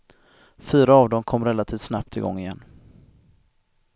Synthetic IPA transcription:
fyːɾaːvd̪ɔmkʰɔmːɾɛlat̪ʰiːft̪snap̚t̪ʰɪɡɔ̰ŋːɪjɛnː

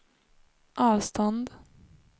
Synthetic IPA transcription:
ʔɑːvst̪ɔnd̪

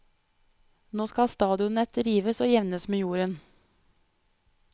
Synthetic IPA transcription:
noːskɑst̪ɑːd̪ɪʊnɛt̪ɾiːʋəsoːjɛʋnəsmeːjuːɾən

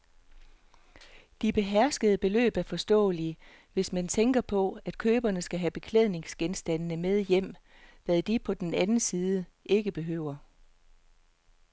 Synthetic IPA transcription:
d̥ib̥e̝ɦæɐsɡ̥əð̩ˠəb̥e̝lø̰ːb̥æɐfɒ̽sd̥ɔ̰̽ːli | ʋe̝smænt͡sʰeŋɡ̥ɐpʰɒ̽æd̥kʰøːb̥ɐnəsɡ̥æɦæb̥e̝kʰleð̞̰ˠne̝ŋsɡ̥ensd̥ænnəmeð̞ˠjem̰ | ʋæðˠd̥ipʰɒ̽d̥enænn̩siːðˠəʔe̝ɡ̥əb̥e̝ɦø̰ʊ̰ɐ

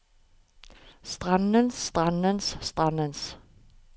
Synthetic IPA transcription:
st̪ʁanənst̪ʁanənsst̪ʁanəns

